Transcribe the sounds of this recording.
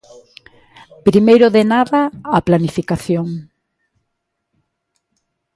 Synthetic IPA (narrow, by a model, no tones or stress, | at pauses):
pɾimejɾʊðenaðɐaplanifikaθjoŋ